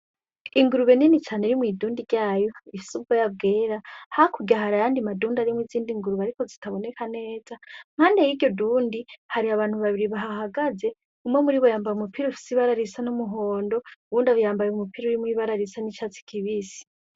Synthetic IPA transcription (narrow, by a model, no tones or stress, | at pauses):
iŋɡuɾuβe̞ninit͡ʃaːneɾimwiːduːndiɾɟaːjo̞ifi̥subɡojab̚ɡeːɾahakuɡɟaɦaɾajaːndimaduːndaɾimwiziːndiŋɡuɾuβaɾiko̞zitaβo̞ne̞kʰane̞ːzaŋ̥haːndejiɟo̞duːndihaɾiaβaːnhuβaβiɾiβaɦaɦaɡaze̞ | umwemuɾiβo̞jaːmbajumupʰiɾiufi̥siβaɾaɾisanumuɦo̞ːndo̞uβuːndaβijaːmbajeumupiɾiuɾimwiβaɾaɾisanit͡ʃaːt͡si̥kʰiβisi̥